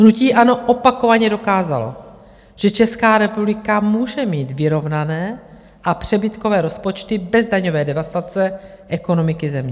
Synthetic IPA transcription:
ɦnuciːʔano̞ʔopako̞vaɲɛdo̞kaːza̰lo̰ | ʒ̥ɛt͡ʃɛskaːɾɛpublɪkamuːʒɛmiːt̪vɪɾo̞vnanɛː | ʔapr̝̥ɛbɪt̪ko̞vɛːɾo̞spot͡ʃt̪ɪbɛzdaɲovɛːdɛvast̪at͡sɛ | ʔɛko̞no̞mɪkɪzɛmɲɛ

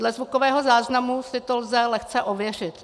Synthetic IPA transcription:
lɛzvukovɛːɦo̞zaːznamusɪt̪olzɛlɛxt͡sɛʔovjɛr̝ɪt̪

